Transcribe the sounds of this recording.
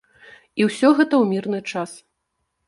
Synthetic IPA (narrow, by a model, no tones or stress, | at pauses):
iwsʲɔɣɛt̪ɐwmʲirnɨt͡ʂas